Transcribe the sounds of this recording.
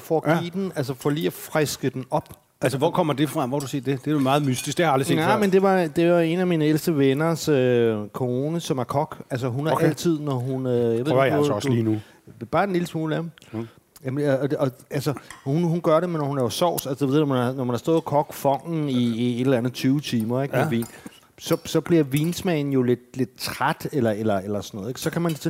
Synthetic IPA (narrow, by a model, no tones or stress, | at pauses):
fɒːɡ̥ḭːd̥enæls̬əfɒ̰liːɒfʁasɡ̥əd̥enɒ̽b̥ | ælsəʋɒkʰɒ̽m̰ɐd̥e̝fʁɑ̈mʋɒd̥use̝ːd̥d̥e̝d̥emɑ̈ːð̞̩ˠmysd̥isɡ̥d̥ehɑ̈ɑldʁise̝̰nmend̥e̝ʋɑ̈d̥e̝ʋɑ̈e̝næminəelsd̥əʋenɐsøkʰo̝ːnəsɒ̽mæɐkʰɒɡ̥ælsəɦunhææl̰t͡sʰið̞̰ˠnɒɦunøjɑʋeð̰ɡliːnu | b̥ɑ̈ːd̥enliːləsmuːləæ | jæmːɒ̽ælsəhunɦunɡ̥ɶɐɾe̝menɒhunæɐjo̝sɒʊ̰sælsə̥d̥eʋe̝ð̰ˠnɒmænɑ̈nɒmænhɑsdɔ̽ːðˠkʰɒ̽ɡ̥fɒ̽ŋ̰n̩iie̝ɾ̥elænð̩ˠt͡sʰyːʊət͡sʰiːmɐeɡ̥eʋḭːn | sɒ̽sɒ̽b̥liɐʋiːnsmɛn̩jo̝le̝d̥le̝d̥̚t͡sʰʁad̥elɐelɐelɐsɒnɔ̽ð̩ˠe̝ɡ̥sɒ̽kʰæmænt͡sʰe